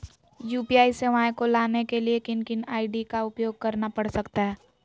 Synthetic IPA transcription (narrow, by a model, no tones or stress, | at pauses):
juːpiaːiseʋaːjkolaːnekeliekɪnkɪnaːɪɖikaʊpjoːɡ̚kɐɾnapɐɽsɐkt̪aɦɛː